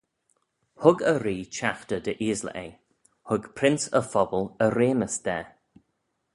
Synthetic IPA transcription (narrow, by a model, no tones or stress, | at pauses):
hʊɡəɾiːt͡ʃaxt̪əd̪əʔiːzlə̰ʔej | hʊɡpʰɾɪnsəfɔbələɾeːməsd̪̥ɛ